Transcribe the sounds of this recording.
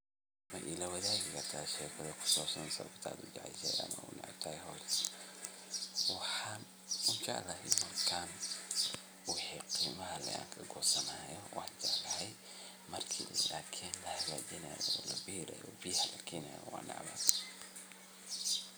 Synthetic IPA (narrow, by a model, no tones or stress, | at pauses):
mɐʔilɐwɐðaːɣɪkɐrt̪ʰaːʃɛːkʰɐðɐkʰʊ̥sɔːsɐnsɐ̰kt̪ʰa̰ːd̪ʊd͡ʒɑʕɛ̰jsɛ̰jɐ̰mɐ̰ʊ̰nɑ̰ʕ̰t̪ʰɐːɛɦɔːtʰ | wɑħɑn | ʊt͡ʃɐ̰ʔlɐɦɛjmɐrkʰaːn | wʊħiːqiːmɐɦɐlɐ̰ja̰ːŋkʰɐɡɔːsɐnaːjɔwʔɑħt͡ʃɐlɐɦɛj | mɐrkʰilaːkʰiːnlɐhɐɣaːt͡ʃɪnɐjɔlɐbiːɾɐ̰jɔbijhɐlɐkʰɛːnɐjɔ̰wɑ̰ːnɑ̰ʕmɐ̰t̪ʰ